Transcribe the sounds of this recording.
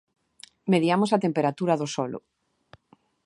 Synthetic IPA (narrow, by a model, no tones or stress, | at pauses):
meðjamosat̪empeɾat̪uɾaðosɔlʊ̰